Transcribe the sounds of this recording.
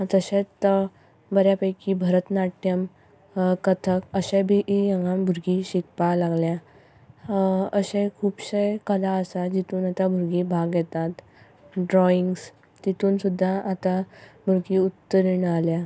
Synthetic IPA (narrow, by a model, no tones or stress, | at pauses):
t̪əɕẽt͡st̪ə | bəɾjapəjkibʱəɾət̪naʈjəm | kət̪ʰəkəɕẽbʱiʔijə̃ŋɡambʱuɾɡiɕikpalaɡlja | əɕẽkʰuːbɕekəlaəsad͡ʑit̪uːnat̪abʱuɾɡiːbʱaɡjɛt̪at̪ | ɖɾɔiŋɡs | t̪it̪uːnsud̪ʱːaʔat̪abʱuɾɡiːut̪ːəɾiɳəalja